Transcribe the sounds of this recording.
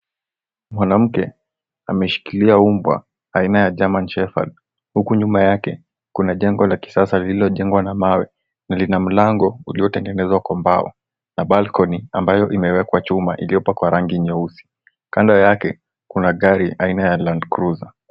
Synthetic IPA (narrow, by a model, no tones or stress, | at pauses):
mwanam̩kɛ | amɛʃi̥kiliaumbwa̰ | ainajaʄamant͡ʃɛfa̰l | hukuɲumajakɛ | kunaʄɛŋɡɔlaki̥sasalililɔʄɛŋɡwanamawɛ | nalinam̩laŋɡɔuliɔtɛŋɡɛnɛzwakwɔmbaɔ̰ | naɓalkɔniambajɔʔimɛwɛkwat͡ʃumaʔḭlijɔpwakwaɾaŋɡiɲɔusi̥ | kandajakɛ | kunaɠaɾiʔainajalandkɾuza